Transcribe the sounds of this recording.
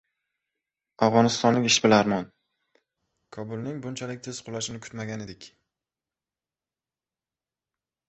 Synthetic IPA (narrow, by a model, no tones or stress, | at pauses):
avʁɒnɪst̪ɒnlɪkʲɪʃbɪlaɾmɒn | kʰɒbʊlˠnɪŋbʊnt͡ʃʰalɪkʲt̪ʰez̥qʰʊlaʃɪnɪkʰʊ̥t̪maɡʲaned̪ɪkʲ